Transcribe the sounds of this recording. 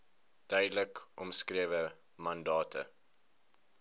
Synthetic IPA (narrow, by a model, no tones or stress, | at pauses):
d̥œɥdləkʔɔmskriəvə | mɐndɑːtʰə̰